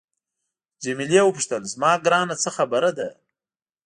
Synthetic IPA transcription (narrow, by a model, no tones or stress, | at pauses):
d͡ʒemilewəpuʂt̪əlzmɑːɡɾɑːnat͡səxabaɾad̪a